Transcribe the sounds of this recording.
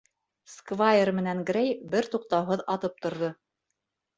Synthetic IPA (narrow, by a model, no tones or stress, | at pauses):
skvajermɘ̆næŋɡrejbɘɾt̪uq̚t̪ɑwɦɤðɑðɤp̚t̪ŏɾðɤ